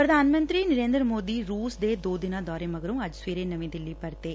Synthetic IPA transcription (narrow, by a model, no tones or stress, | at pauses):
pɾɐd̪ʱaːnmɐnd̪ɾinɪɾeːnd̪ɾɐmoːd̪iɾuːsd̪eːd̪oːd̪ɪnaːd̪ɔːɾemɐɣɐɾɯmɐd͡ʒsʋiːɾenɐʋid̪ɪlːipɐɾt̪eː